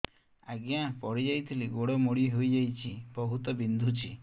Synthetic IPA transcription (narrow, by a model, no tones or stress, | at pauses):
aɡjãpɔɽid͡ʒajt̪ʰiliɡoɽɔmoɽieɦojd͡ʒajt͡ʃʰibɔɦut̪ɔbind̪ʱut͡ʃʰi